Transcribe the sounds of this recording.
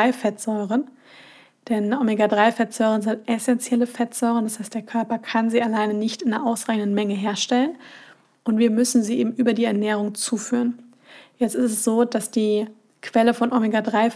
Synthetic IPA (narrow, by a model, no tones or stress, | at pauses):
aɪfɛtz̥ɔʏʁən | d̥ɛnʔomeɡadʁaɪfɛtz̥ɔʏʁ̞ənzɪntʔɛsɛnt͡sjɛləfɛtz̥ɔʏʁəndashaɪst̚d̥eːɐkʰœɐpɐkʰanziːalaɪnənɪçtɪnnɐʔaʊsʁaɪçn̩dən̩mɛŋəɦeːɐʃtɛlən | ʔʊntv̥iːɐmʏsn̩ziːʔḛːbm̩ʔyːbɐdiːɛɐnɛːʁ̞ʊŋt͡suːfyːʁən | jɛt͡stɪstɛsz̥oːd̥asd̥iː | kʰv̥ɛləfɔnʔomeɡadʁaɪ